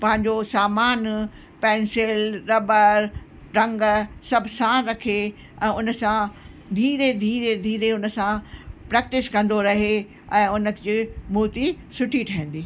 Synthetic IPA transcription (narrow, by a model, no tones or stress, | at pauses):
pɐ̃ɦɪ̃ɲ̆d͡ʑosaːmaːn | pɛ̃ːnsɪlɾɐbəɾ | ɾɐ̃ŋɡsɐbʱsãɾɐkʰe | ɛ̃ːʊnəsã | d̪ʱiːɾed̪ʱiːɾed̪ʱiːɾeʊnə̆sãpɾɛːk̚ʈɪskɐ̃nd̪oɾɐɦe | ɛ̃ːʊnəd͡ʑiːmʊːt̪i | sʊʈʰiʈʰɐɦə̃nd̪iː